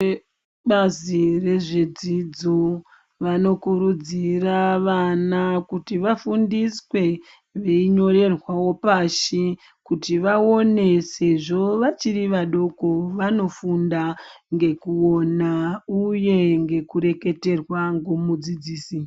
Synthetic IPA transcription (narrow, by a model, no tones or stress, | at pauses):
e | ɓazire̞ʐe̞d͡zid͡zo | ʋano̞kuɾud͡ziraʋanakutiʋafundiswe̞ | ʋeiɲo̞ɾe̞rwawo̞paʃi | kutiʋao̞ne̞se̞ʐo̞ʋat͡ʃiriʋaɗo̞ko̞ʋano̞fundaŋɡe̞kuo̞nauje̞ŋɡe̞kuɾe̞ke̞te̞rwaŋɡo̞mud͡zid͡ziːsi